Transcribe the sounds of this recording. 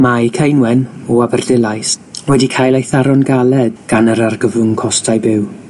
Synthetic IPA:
majkʰejnwɛnɔabərdɪlˠajswɛdikʰajlˠajθaɾɔnɡalˠɛdɡ̥anəɾarɡəvʊŋkʰɔstʰajbɪw

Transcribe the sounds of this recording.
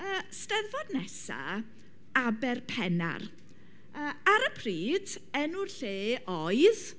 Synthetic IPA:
əːstɛðvɔdnɛsa̰ | abɛrpʰɛna̰r | əːaɾəpʰriːd | ɛnurɬeːɔɨð

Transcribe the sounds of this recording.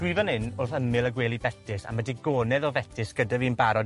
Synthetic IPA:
wivanhɪnʊrθəmɪlˠəɡweːlˠibɛtʰɪsa̰mədiɡoːnɛðɔvɛtʰɪsɡ̥ədaviːnbaɾɔ

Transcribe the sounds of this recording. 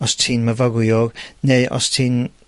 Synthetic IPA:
ɔstʰiːnməvaɡʊjɔːɡnejʔɔ̰stʰiːn

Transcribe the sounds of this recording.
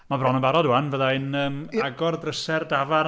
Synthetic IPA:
mabrɔnəmbaɾɔduanvəðaɨnəːmaɡɔrdrəsɛrdava

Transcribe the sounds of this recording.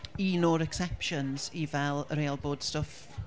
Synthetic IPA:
inɔɾɛksɛpʃənz̥ivɛlˠɾeːlˠboːd̥stəf

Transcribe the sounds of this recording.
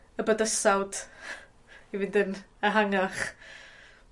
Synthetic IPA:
əbədəsawd̥ | ivɪndənəɦaŋaχ

